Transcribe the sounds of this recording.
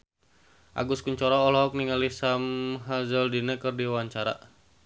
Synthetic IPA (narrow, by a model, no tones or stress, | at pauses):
ʔa̰ɡʊskuɲt͡ʃɔɾɔːlɔɦɔk̚niŋalisamɦazəldinɛkɨrdiwaɲt͡ʃaɾa̰